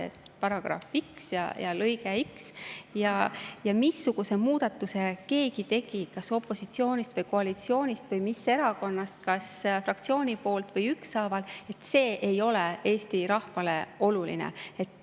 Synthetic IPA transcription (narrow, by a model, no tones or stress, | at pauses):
ḛt̪pɑɾɑɡ̥ɾɑ̰fiksjɑ̰jɑ̰lɤjɡeiksjɑjɑmisːuɡ̥use̞muːd̪̥ɑt̪ːˑuse̞ke̞ːɡit̪e̞ɡ̥ikɑso̞pːˑo̞sit̪sio̞ːnʲist̪vɤjko̞ɑlit̪sio̞ːnʲist̪vɤjmisːe̞ɾɑko̞nːɑst̪̚kɑsfrɑkt̪sio̞ːnʲipo̞ːlt̪vɤjyksːɑːvɑle̞t̪ːˑse̞ːʔejo̞lee̞ːst̪iɾɑhvɑle̞o̞lulḭnḛe̞t̪ːˑ